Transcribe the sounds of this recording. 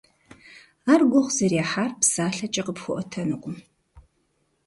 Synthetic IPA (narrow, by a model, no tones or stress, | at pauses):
aːrɡʷɔχʷzɐraːħaːrpsaːɬɐt͡ʃʼɐqəpxʷʊʔɔtʰɐnɨqʷʊ